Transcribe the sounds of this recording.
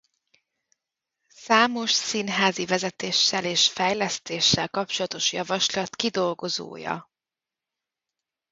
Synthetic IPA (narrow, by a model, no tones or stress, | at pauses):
saːmo̞ʃsinɦaːzivɛzɛt̪eːʃːɛleːʃfɛjlɛst̪eːʃːɛlkɒp̚t͡ʃo̞lɒt̪o̞ʃjɒvɒʃlɒt̪kid̪o̞lɡo̞zo̰ːjɒ̰